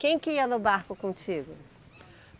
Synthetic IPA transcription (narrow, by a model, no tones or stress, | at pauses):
kẽj̃kɪiɐnʊbaɾkʊkõt͡ʃiɡʊ